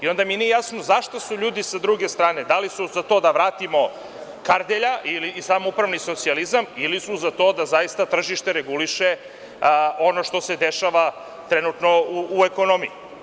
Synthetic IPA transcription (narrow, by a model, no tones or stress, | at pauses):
io̞nd̪aminiejaːsnozaʃt̪osuʎuːd̪isad̪ɾuɡe̞st̪ɾaːne̞d̪alisuzat̪o̞ːd̪aʋɾaːt̪imo̞ | kaɾd̪eʎaʔilisamoupɾaʋniso̞t̪sializamilisuzat̪o̞d̪azajist̪at̪r̩ʒiʃt̪eɾeɡuliʃe | o̞noʃt̪o̞sed̪eʃaʋa | t̪ɾenut̪no̞uːeko̞no̞mḭji